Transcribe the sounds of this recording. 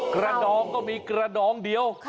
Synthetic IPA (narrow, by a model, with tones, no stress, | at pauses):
kɾa˧dɔː˧ŋkɔː˥˩miː˧kɾa˧dɔː˨˧˦ŋdi˨˧əw